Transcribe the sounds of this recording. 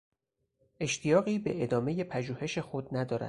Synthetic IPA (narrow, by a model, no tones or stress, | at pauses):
ʔe̞ʃt̪ʰijɒːɣiːbe̞̰ʔed̪ɒːme̞je̞pʰæʒuːhe̞ʃe̞xo̞d̪næd̪ɒːɾæ̰d̪̥